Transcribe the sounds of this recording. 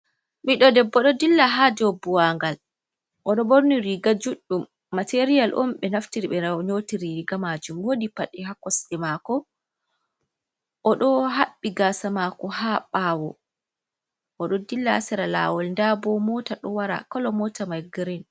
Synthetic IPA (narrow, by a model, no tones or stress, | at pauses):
miɗɔdɛbːɔɗɔdilːaɦad͡ʒɔbːuwaŋɡal | ʔɔɗɔboɾniɾiɡad͡ʒuɗːumː | ateɾijalʔɔ̰mɓɛnaftiɾiɓɛaɲotiɾiɡamad͡ʒumwodipaɗiɦakɔsɗimakɔ | ʔɔɗɔɦaɓːiɡaːsamakɔhaɓaːwɔ | ʔɔɗɔdilːasɛɾala̰ːwɔlndabɔmɔtaɗɔwaɾa̰kɔlɔmɔtamajɡiɾin